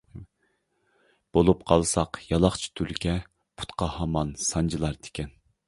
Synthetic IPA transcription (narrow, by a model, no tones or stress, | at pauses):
b̥olˠup̚qʰɑlˠsɑqjɑlˠɑχt͡ʃʰi̥t̪ʰylkʲʰɛ | pʰu̥t̪qʰɑhɑmɑnsɑnd͡ʒilˠɑɾt̪ʰe̥kʲɛn